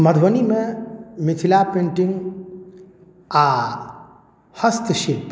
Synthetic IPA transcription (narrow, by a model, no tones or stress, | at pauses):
məd̪ʱʋənimẽmit̪ʰilapẽɳʈiŋɡ | a | həst̪ʃilp